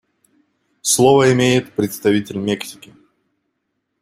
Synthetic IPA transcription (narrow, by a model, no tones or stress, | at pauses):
slˠovəɪmʲejɪt̪pɾʲɪt̪st̪ɐvʲitʲɪlʲmʲeksʲɪ̥kʲɪ